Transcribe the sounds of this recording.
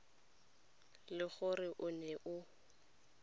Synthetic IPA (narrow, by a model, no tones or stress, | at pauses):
lɪɣʊrɪʔʊnɛʔʊ